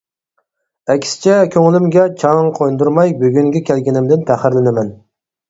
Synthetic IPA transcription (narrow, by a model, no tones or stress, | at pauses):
ɛkʲsɪ̥t͡ʃʰɛkʲʰøŋɪlɪmɡʲɛt͡ʃʰɑŋqʰojnd̪uɾmɑjbøɡʲyŋɡʲɛkʲʰælɡʲɪnɪmd̪ɪnpʰæχɪɾlɪnɪmɛn